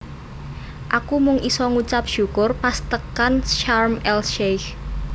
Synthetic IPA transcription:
ʔakumʊŋʔisɔŋut͡ʃap̚ʃṳkʊrpast̪əkanʃarmɛlʃejx

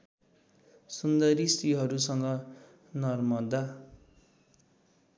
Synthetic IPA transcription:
sund̪ʌɾisiɦʌɾusʌŋɡʌ | nʌrmʌd̪a

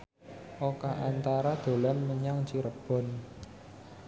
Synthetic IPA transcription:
ʔokaʔant̪aɾad̪̥o̤lanməɲaŋt͡ʃiɾəb̥ɔ̤n

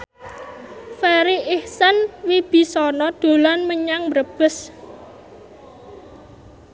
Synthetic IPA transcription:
faɾiʔɪhsanwib̥i̤sɔnɔd̪̥o̤lanməɲaŋbɾəb̥ə̤s

